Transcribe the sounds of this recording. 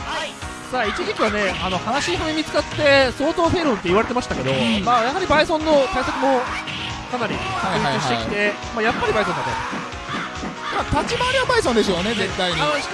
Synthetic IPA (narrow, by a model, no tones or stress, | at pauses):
saːit͡ɕiʑikʲiβane̞ano̞hanaɕiɦamemʲit͡sɨ̥kat̪ːe̞so̞ːt̪o̞ːɸe̞ːɾõnt̪ːeiβaɾe̞t̪e̞maɕi̥t̪ake̞d̪o̞maːjaɦaɾʲibaisõ̞nːo̞t̪aisakɯ̟mo̞ | kanaɾʲḭkaɕit̪ei̥t̪e̞ | maːjapːaɾʲibaisõat̪ːo | maːt̪at͡ɕimaɾʲiabaisõnd̪esɨjonezet̪ːaiɲi